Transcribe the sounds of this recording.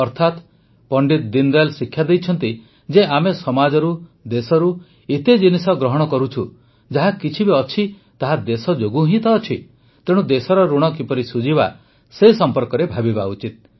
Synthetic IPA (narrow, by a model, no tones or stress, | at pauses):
ɔɾt̪ʰat̪ | pɔɳɖit̪d̪ind̪alsikʰːjad̪ejt͡ʃʰɔnt̪i | d͡ʒeʔamesɔmad͡ʒɔɾud̪esɔɾu | it̪ed͡ʒinisɔɡɾɔɦɔɽ̃ɔkɔɾut͡ʃʰu | d͡ʒaɦakit͡ʃʰibeɔt͡ʃʰi | t̪aɦad̪esɔd͡ʒoɡuɦĩt̪ɔːt͡ʃʰi | t̪eɽ̃ud̪esɔɾɔɾuɽ̃ɔkipɔɾisud͡ʒiba | sesɔmpɔɾkɔɾebʱabibaut͡ʃit̪̚